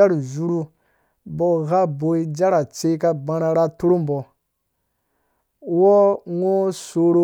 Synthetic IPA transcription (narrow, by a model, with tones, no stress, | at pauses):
a˦ɾu˨zu˨ɾu˦ | bɔ˨ɣa˦bo˨i˦d͡ʒa˦ɾa˨t͡ʃe˦ka˦ɡ͡bã˨ɾa˨ɾa˦tu˦ɾu˦m˨bɔ˨ | wɔ˦ŋo˦so˨ɾo˦